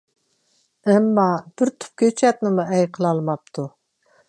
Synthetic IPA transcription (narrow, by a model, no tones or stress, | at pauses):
ɛmːɑb̥ɪɾt̪ʰʊ̥p̚kʲøt͡ʃʰɛt̪nɪmuɛjqʰəlˠɑlˠmɑp̚t̪ʰu